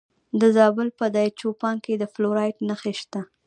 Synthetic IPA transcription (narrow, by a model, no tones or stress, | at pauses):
d̪əzɑbʊlpəd̪ɑjt͡ʃopɑŋked̪əfloɾɑjʈnaxeʃt̪a